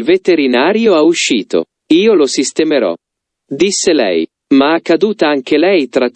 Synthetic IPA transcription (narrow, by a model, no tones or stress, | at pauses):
lvet̪eɾinaːɾjoauʃːiːt̪o̰ | iːolosist̪emeɾɔ̰ | d̪isːelɛ̰j | maakːad̪uːt̪aaŋk̟elɛjt̪ɾa